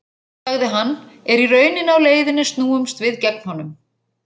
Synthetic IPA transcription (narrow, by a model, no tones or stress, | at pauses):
aɣðɪɦanːɛɾirœːɥnɪnawleːjðɪnːɪst̪nuːʏmst̪vɪðcɛkn̥hanːʏm